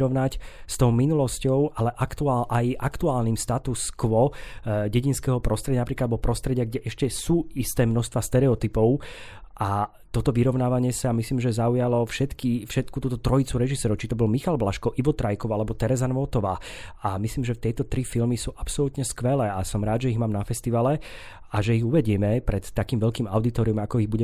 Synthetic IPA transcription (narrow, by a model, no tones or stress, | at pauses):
ɾɔʋnacst̪ɔʊminulɔscɔʊʔalɛʔakt̪uaʔajʔakt̪uaːlniːmst̪at̪uskʋɔɟɛɟinskɛːɦɔpɾɔst̪ɾɛɟanapɾiːklad̪̚bɔpɾɔst̪ɾɛɟɪaɡɟɛʔɛʃcɛsuːist̪ɛːmnɔʃst̪ʋast̪ɛɾɛɔt̪ipɔʊʔa | t̪ɔt̪ɔʋiɾɔʊnaːʋaɲɪɛsamisliːmʒɛzaujalɔfʃɛt̪kifʃɛt̪kut̪uːt̪ɔt̪ɾɔit͡suɾɛʒisɛːɾɔʊt͡ʃit̪ɔbɔlmixalblaʃkɔʔiʋɔt̪ɾajkɔʊalɛbɔt̪ɛɾɛzanʋɔt̪ɔʋaːamisliːmʒɛft̪ɛjt̪ɔt̪ɾifilmisuːʔapsɔlut̪ɲɛskʋɛlɛːasɔmɾaːd̪ʒɛiɣmaːmnafɛst̪iʋalɛ | ʔaʒɛiɣuʋɛɟɪɛmɛpɾɛt̪ːakiːmʋɛʎkiːmaʊd̪it̪ɔːɾiɔmakɔiɣbuɟɛ